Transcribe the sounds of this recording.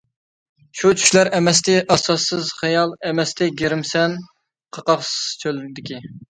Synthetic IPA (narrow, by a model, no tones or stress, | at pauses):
ʃut͡ʃʰy̥ʃlæɾʔɛmɛst̪ɪʔɑsɑsːɨzχɑjɑlˠɛmɛst̪ɪɡʲeɾɪmsɛn | qʰɑqɑqst͡ʃʰølɾɪd̪ɪkʲi